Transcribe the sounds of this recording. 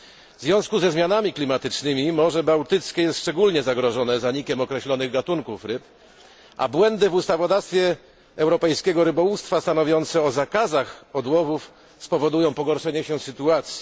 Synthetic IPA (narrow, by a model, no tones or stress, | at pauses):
vzvʲjɔ̃w̃skuzɛzmʲjanamʲiklʲimat̪ɘt͡ʂnɘmʲimɔʐɛbawt̪ɘt̪skʲɛjɛst̪ʂt͡ʂɛɡulɲɛzaɡɾɔʐɔnɛzaɲikʲɛmɔkɾɛɕlɔnɘɣɡat̪uŋkufɾɘp | ʔa̰bwɛnd̪ɘvust̪avɔd̪ast̪fʲjɛː | wɾɔpɛjskʲɛɡɔɾɘbɔwust̪fast̪anɔvʲjɔnt̪sɛɔzakazaxɔd̪wɔvuf | spɔvɔd̪ujɔ̃w̃pɔɡɔɾʂɛɲɛɕɛsɘt̪uat̪sʲji